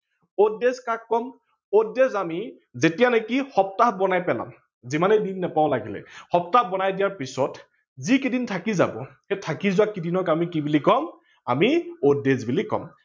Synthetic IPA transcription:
odezkakːɔm | odezami | zetijanɔkihɔp̚taɦbɔnajpɛla̰m | zimanedinːɛpaɔlaɡilɛ̰xɔp̚tahbɔnajdijaɹpisɔt | zikidintʰakiza̰bɔ̰xetʰakizʊwakːidinɔkamikibulikɔm | a̰miodezbulikɔ̰m

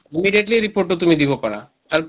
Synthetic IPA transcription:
imiɖijeʈliɾipoɾʈːot̪umid̪ibopaɾa | t̪aɾp

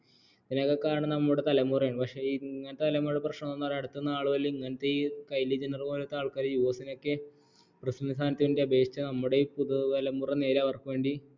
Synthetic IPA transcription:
ðinokːokːaaːɳɨnɐmːuɽet̪ɐlɐmuːrɐjaːɳpɐkʂe̞iŋːɐnɐt̪ːet̪ɐlɐmːuɽeprɐʂɳɐmnonːareɽut̪ːunːɐaːɭuʋɐlːeiŋːɐnɐt̪ːeiːkɐjlid͡ʑɐnɐrumoːlɐt̪ːeaːɭkːaːɾijuʋɐsino̞kːe | prɨsɐnisaːnɐt̪ːiʋinde̞ɐbʱe̞ːkʂit͡ɕːɐnɐmːuɽe̞puðuɐlɐmuːrɐne̞ːɾaːʋɐrkuʋeːɳɖi

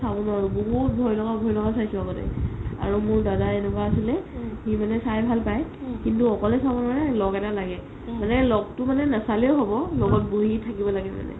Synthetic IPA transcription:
sabɔnɔaɹuboɦut̚bʱɔjlɔɡabʱɔjlɔɡasajsuaɡɔtɛ̰a̰ɹumʊɹdadaenɛk̬aasilɛximanɛsajbʱalpajkintuɔkɔlɛsabunɔɹɛlɔɡɛtalaɡɛ | manɛlɔɡ̚tʊmanɛnasalɛʊɦobɔlɔɡɔt̚boɦitʰakibɔlaɡɛma̰nɛ̰

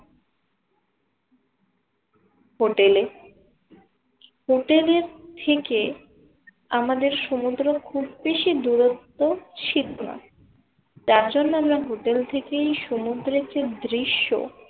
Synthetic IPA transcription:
ɦoʈele | ɦoʈeleɾt̪ʰeke | amad̪eɾʃomud̪ɾokʰubːeʃid̪uɾot̪ːot͡ɕʰilona̰ | d͡ʑaɾd͡ʑonːoamɾaɦoʈelt̪ʰekejʃomud̪ɾet͡ɕed̪ɾiʃːo̰

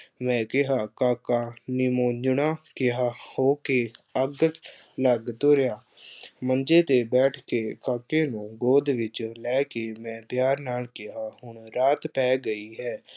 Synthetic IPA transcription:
mɛ̃ːkɪɦaːkaːkaːnɪmoːd͡ʒɳaːkɪɦaːhoːkeːəɡət̪ | ləɡt̪ʊɾjaː | mənd͡ʒeːt̪eːbɛːʈʰkeːkaːkeːnũːɡoːd̪ʋɪt͡ʃlɛːkeːmɛ̃ːpjaːɾnaːlkɪɦaːhʊɳɾaːt̪pɛːɡəiːɦɛː

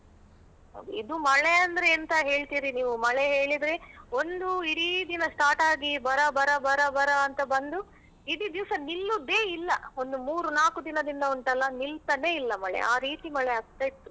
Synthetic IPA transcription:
ɦɐ̰ːɡ̪uid̪umɐɭeɐnd̪ɐɾeɐnt̪ɐɦe̞ːɭt̪iːɾiniːʋumɐɭeɦe̞ːɭid̪ɾe̞o̞nd̪uiɾid̪inɐsʈaːʈaːɡibɐɾɐbɐɾɐbɐɾɐbɐɾɐːnt̪ɐbɐnd̪u | id̪id̪iʋsɐnilːud̪e̞ːilːɐo̞nd̪umuːɾunaːkud̪inɐd̪ind̪ɐuɳʈɐlːɐnilt̪ɐne̞ːilːɐmɐɭḛaːɾiːt̪imɐɭeaːɡ̚t̪ɐit̪ːu

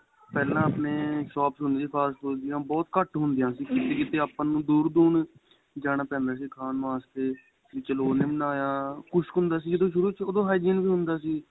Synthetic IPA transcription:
pɛːlãːəpneːʃɔːpsɦʊnd̪iiːpʰaːɾskold̪ɪjãːbɔːt̪kəʈɦʊnd̪ɪjãːsiːkit̪eːkiːt̪eːaːpːãːnũːd̪uːɾd̪uːɳ | d͡ʒaːnaːpɛ̃ːnd̪aːs̬iːkʰaːnʋaːst̪eː | ʋɪt͡ʃəloːnẽːmənaːjãːkʊʃkʊnd̪aːsiːd͡ʒəd̪õːʃʊɾuːt͡ʃʰoːd̪õːɦaːid͡ʒiːnʋiːɦʊnd̪aːsiː

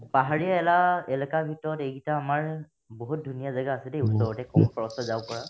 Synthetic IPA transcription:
paɦaɹiaɛlaɛlakabʱitɔɹɔtejɡitaːmaɹ | boɦut̚dʱunijazaɡaːsɛdeusɔɹɔtɛkɔmɔkʰɔɹɔstɔzawkɔɹa

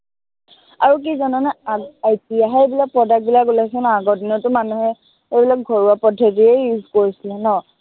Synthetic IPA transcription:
aɹuk̬izɔnɔnɛajtijaɦɛejbilak̚pɹɔdak̚bilakɡulasɛnaɡɔdinɔtʊmanuɦɛ | ebilak̚ɡʱɔɹuapɔdʰʱetiejuzkoɹisilɛnɔ

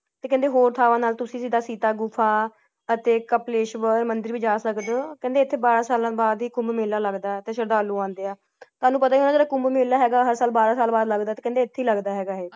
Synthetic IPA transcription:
t̪eːkɛ̃ːnd̪eːɦoːɾt̪ʰaːʋãːnaːlt̪ʊsĩːsiːd̪aːsiːt̪aːɡʊpʰːaː | ət̪eːkəpleːʃʋəɾmənd̪əɾʋiːd͡ʒaːsəkd̪kɛ̃nd̪eːɪt̪ʰːeːbaːɾãːsaːlãːbaːd̪iːkʊ̃mbmeːlaːləɡd̪aːɛt̪eːʃəɾd̪aːlũːãːnd̪eːaː | t̪oʊaːnũːpət̪aːinaːd͡ʒeːɽaːkʊmbmeːlːaːɦɛːɡaːɦəɾsaːlbaːɾaːsaːlbaːd̪ləɡd̪aːt̪eːkɛ̃nd̪eːɪt̪ʰːeiːləɡd̪aːɦɛːɡaːɦeː

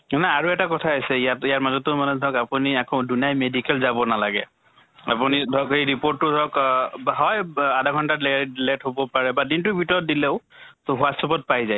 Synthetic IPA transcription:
manɛaɹuɛtakɔtʰaasɛiatijaɹmazɔtʊmanɛdʱɔkapuniakɔ̃dunijajmedikɛlzabɔnalaɡɛ̰ | a̰punidʱɔkhejɹipoɹtːʊdʱɔkbɦɔjadʱaɡʱɔntalletɦobɔpaɹɛbadintubʱitɔɹɔt̚dileʊɦasɔpɔt̚pajzaj

